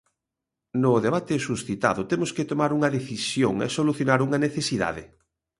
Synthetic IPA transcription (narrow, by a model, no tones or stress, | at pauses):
nʊðeβ̞at̪ɪsusθit̪a̰ðʊt̪emʊsket̪omaɾuŋɐðeθisjoŋɛ̰soluθjonaɾuŋɐneθesiða̰ðɪ̰